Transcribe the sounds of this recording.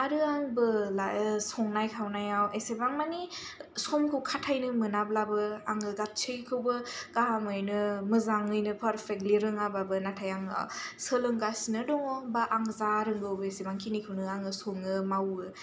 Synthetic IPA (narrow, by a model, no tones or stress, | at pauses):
aɾɯaŋbɯlaɯsɔŋnajkʰawnajawesebaŋmanisɔmkʰɯwkʰatʰajnɯmɯnablabɯaŋɯɡat̚t͡ʃʰɯjkʰɯwbɯkaɦamɯjnɯmɯzaŋɯjnɯpʰaɾpʰek̚liɾɯŋababɯnatʰajaŋ̰səlɯŋɡasinɯdɔŋɔbaʔaŋzaɾɯŋɡɯwbɯesebaŋkʰinikʰɯwnɯaŋɯsɔŋɯmawɯ